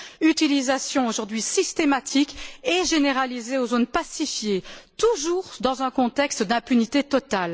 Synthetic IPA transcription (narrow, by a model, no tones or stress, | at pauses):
yt̪ilizasjɔ̃oʒuʁd̪ɥisist̪emat̪ʰikɛʒeneʁalizeozonpasifjet̪uʒuʁd̪ɑ̃zɛ̃kɔ̃t̪ɛkst̪d̪ɛ̃pynit̪et̪ɔt̪al